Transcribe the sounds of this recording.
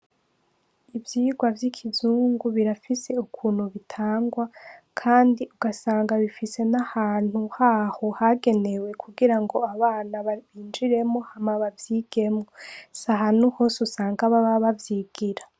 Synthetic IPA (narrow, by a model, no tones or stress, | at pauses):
ivjiːɡwavjikʰizuːŋɡuβiɾafise̞ukʰuːn̥huβitʰaːŋɡwakʰaːndiʔuɡasaːŋɡaβifise̞nahaːn̥huhahohaɡe̞ne̞we̞kʰuɡiɾaŋɡo̞aβaːnaββiːnd͡ʒiɾe̞mŋo̞hamaβavjiːɡ̥e̞mŋosaɦanuhosusaːŋɡaβaβaβavjiɡ̥iɾa